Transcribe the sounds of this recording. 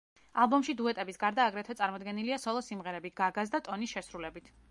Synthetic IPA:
alˠbɔmʃid̪uɛt̪ʼɛbisɡaɾd̪aːɡɾɛt̪ʰɛt̪sʼaɾmɔd̪ɡɛniliasɔlˠɔsimʁɛɾɛbiɡ̥aɡazd̪at̪ʼɔnisʃɛsɾulɛbit̪ʰ

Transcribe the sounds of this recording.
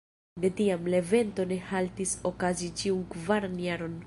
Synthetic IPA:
de̞tiamleve̞nto̞ne̞haltiso̞kazit͡ʃiunkvaɾanjaɾo̞n

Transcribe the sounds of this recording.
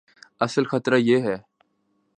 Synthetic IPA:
ɐsəlxɐt̪ɾajeɦɛː

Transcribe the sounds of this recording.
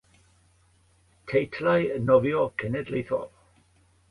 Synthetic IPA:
tʰejtʰlajənɔvjɔkʰɛnɛdlejθɔ̰v

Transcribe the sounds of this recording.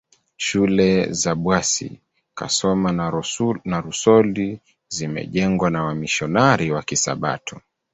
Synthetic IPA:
ʃulɛzaɓwasḭ | ka̰sɔma | naɾusɔli | zimɛ̰ʄɛŋɡwanawamiʃɔnaɾiwakisa̰ɓa̰tʰu

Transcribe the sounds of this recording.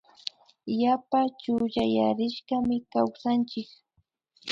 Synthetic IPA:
japat͡ʃʊʎajaɾɪʃɢɑmɪkawsant͡ʃɪk

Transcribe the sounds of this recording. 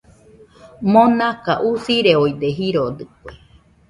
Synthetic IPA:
mõnãkaʔusiɾeoid̪eɦiɾod̪ɨkʷe

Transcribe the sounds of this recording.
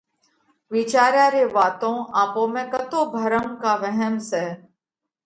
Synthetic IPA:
ʋit͡ʃaːɾjaɾeʋaːt̪õaːpõːmẽkət̪oːbʱəɾəmkaʋɛɦɛmsɛː

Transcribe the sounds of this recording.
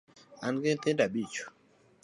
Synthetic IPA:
anɡentendabit͡ʃu̥

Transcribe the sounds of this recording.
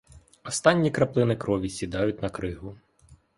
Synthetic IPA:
ɔst̪ɑnʲːikɾɐplˠɪnɪkɾɔʋʲisʲid̪ɑjʊt̚ʲnɐkɾɪɦʊ

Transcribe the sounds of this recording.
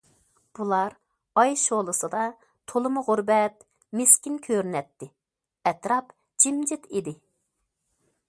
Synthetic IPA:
b̥ulˠɑɾ | ɑjʃolˠɨsɨd̪ɑ | t̪ʰolˠɨmʊʁʊɾbɛt̪ | mɪskʲinkʲʰøɾnɛt̪ːɪ | ɛt̪ɾɑp | d͡ʒimd͡ʒɪt̪id̪ɪ

